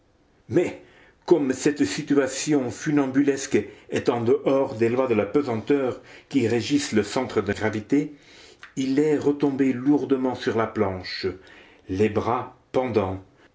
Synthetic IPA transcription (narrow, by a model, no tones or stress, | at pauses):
mɛ | kɔmsɛt̪sit̪yasjɔ̃fynɑ̃bylɛskɛt̪ɑ̃d̪əʔɔʁd̪elwad̪əlapøzɑ̃t̪œːʁkʲiʁeʒisləsɑ̃t̪χəd̪əɡʁavit̪e | ilɛʁət̪ɔ̃beluʁd̪əmɑ̃syʁlaplɑ̃ʃ | lebʁapɑ̃d̪ɑ̃